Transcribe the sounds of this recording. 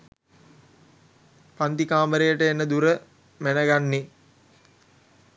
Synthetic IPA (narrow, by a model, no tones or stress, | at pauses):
pant̪ikaːməɾejəʈəenːəd̪uɾə | mænəɡanːe